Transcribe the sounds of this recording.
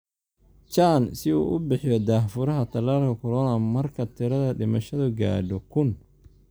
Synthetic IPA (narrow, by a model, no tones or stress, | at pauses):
t͡ʃaːnsɪṵːʔʊbɪħjɔd̪aːhfʊɾɐɦɐt̪ʰɐlaːlkʰɐkʰʊlɔːnɐmɐrkʰɐt̪ʰɪɾɐðɐɖɪmɐʃɐðʊɡa̰ːɖɔkʰʊn